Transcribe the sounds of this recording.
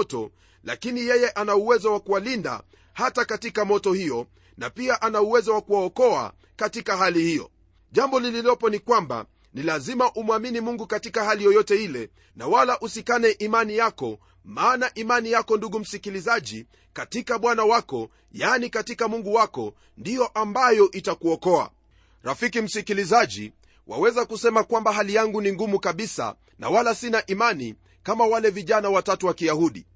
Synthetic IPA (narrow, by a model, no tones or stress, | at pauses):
tɔ̰ | la̰kinijɛjɛʔanauwɛzɔwakuwalinda̰ | hatakatikamɔtɔhijɔ | napiaʔanauwɛzɔwakuwaɔkɔa̰ | katikaɦalihiɔ̰ | ʄambɔlililɔpɔnikwamba̰ | nilazimaʔumwaminimuŋɡukatikahalijɔjɔtɛilɛ | nawalaʔusikanɛʔimanijakɔ | maːnaʔimanijakɔnduɡum̩sikilizaʄi | katikaɓwanawakɔ | janikatikamuŋɡuwakɔ | ndijɔʔambajɔʔitakuɔkɔa̰ | ɾafikim̩sikilizaʄḭ | wa̰wɛzakusɛmakwambaɦalijaŋɡuniŋɡumukaɓisa̰ | na̰walasinaʔimani | kamawalɛviʄanawatatuwakijahuɗḭ